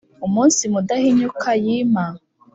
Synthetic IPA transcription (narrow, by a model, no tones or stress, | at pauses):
umuːnsimudahiɲukʰajiːma